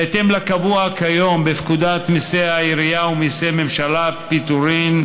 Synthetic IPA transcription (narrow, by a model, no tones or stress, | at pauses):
et̪emlakabuakʰajo̞mbefkud̪at̪miseaiɾijaumiseme̞mʃalapit̪uɾim